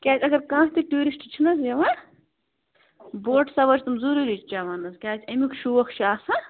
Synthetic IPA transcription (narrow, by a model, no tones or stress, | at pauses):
kʲaːt͡sʲɐɡɐɾkãːɦt̪iʈuːɾisʈt͡ʃʰinɐsjɐʋa | boːɾʈsɐʋɐt͡ʃʰt̪umzuɾuɾit͡ʃt͡ʃaʋɐnːɐskʲaːt͡sʰɐmʲikʃuʋɐxʃaːsa